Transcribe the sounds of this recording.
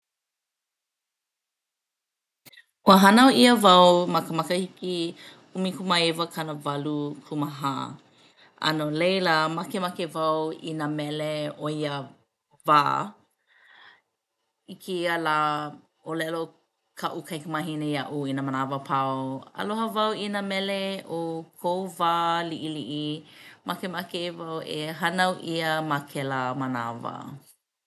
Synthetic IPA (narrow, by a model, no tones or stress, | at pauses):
wəɦɐnaoiəvɐwmɐkəmɐkəhiki | umikʰumaevəkʰɐnəvɐlukʰuməɦa̰ | ʔɐ̰nolejləmɐkemɐkevɐwḭnamɛleoiə | vaː | ikʰeəlaː | olɛlo | kʰɐʔukɐjkəmɐɦinejɐʔuinəmənavəpʰawɐ̰loɦəvɐwinəmɛleokʰowvaːliʔiliʔimʔakemakevɐweɦɐnɐwʔiəmakʰelamɐna̰və̰